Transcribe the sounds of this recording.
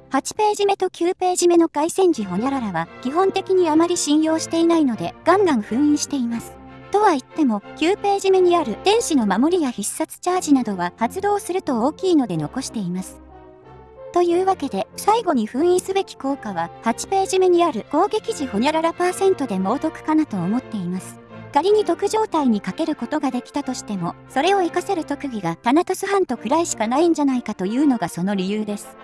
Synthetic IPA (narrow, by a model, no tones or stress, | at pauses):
hat͡ɕi̥pe̞ːʑime̞t̪o̞kʲɨːpe̞ːʑime̞no̞ɡaisẽ̞ɲ̟d͡ʑiɦo̞ɲʲaɾaɾaβakʲiɦõ̞nt̪e̞kʲiɲ̟iamaɾʲiɕĩɰ̃jo̞ːɕi̥t̪e̞inaino̞d̪e̞ɡ̥ãŋɡãɰ̃ɸɯ̟̃ɰ̃ĩːɕi̥t̪e̞imasɨ̥ | t̪o̞βait̪ːe̞mokʲɨːpe̞ːʑime̞ɲ̟iaɾɯ̟d̪̥ẽ̞ɰ̃ɕino̞mamo̞ɾʲijaçisːat͡sɨ̥t͡ɕaːʑinad̪o̞βahat͡sɨd̪o̞ːsɨɾɯ̟t̪o̞oːkʲiːno̞d̪e̞no̞ko̞ɕi̥t̪e̞imasɨ̥ | t̪o̞jɯ̟ːβake̞d̪e̞saiɡo̞ɲ̟iɸɯ̟̃ɰ̃ĩːsɨbe̞kʲi̥ko̞ːkaβ̞ahat͡ɕi̥pe̞ːʑimeɲ̟iaɾɯ̟ɡ̥o̞ːɡe̞kʲiʑiho̞ɲʲaɾaɾapaːsẽ̞nt̪o̞d̪e̞mo̞ːt̪o̞kɯ̟̥kanat̪o̞ːmo̞t̪ːe̞imasɨ̥ɡ̥aɾʲiɲ̟it̪o̞kɯ̟ʑo̞ːt̪aiɲ̟ikake̞ɾɯ̟ko̞t̪o̞ɡad̪e̞kʲi̥t̪at̪o̞ɕi̥t̪e̞mo̞so̞ɾe̞o̞ekase̞ɾɯ̟t̪o̞kɯ̟ɡʲiɡat̪anat̪osɨɦãnt̪o̞kɯ̟ɾaiɕi̥kanaĩɲ̟d͡ʑanaikat̪o̞jɯ̟ːno̞ɡaso̞no̞ɾʲijɯːd̪e̞sɨ̥